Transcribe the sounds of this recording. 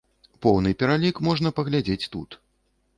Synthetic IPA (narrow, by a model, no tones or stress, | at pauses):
pɔwnɨpʲɛɾalʲikmɔʐnɐpɐɣlʲad͡zʲet͡sʲt̪ut̪